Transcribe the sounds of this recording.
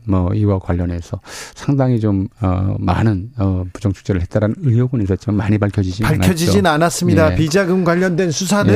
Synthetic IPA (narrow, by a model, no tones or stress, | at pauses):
mʌiwakwaʎːʌne̞sʰʌsʰaŋdaŋit͡ɕomʌ̰ːanɯnʌpud͡ʑʌŋt͡ɕʰu̥k̚t͡ɕ͈eɾɯɭɦet̚t͈aɾanɯnɯjoɡunis̬͈ʌt̚t͡ɕ͈imanmaɲipaɭkʰʌd͡ʑid͡ʑinpaɭnkjʌd͡ʑid͡ʑinanas͈ɯmɲidapid͡ʑaɡɯmɡwaʎːʌndwe̞nsʰus̬ʰanɯ